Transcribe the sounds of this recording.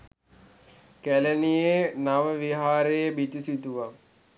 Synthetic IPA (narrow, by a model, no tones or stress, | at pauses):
kælənijenaʋəʋiɦaːɾejəbit̪usit̪uʋa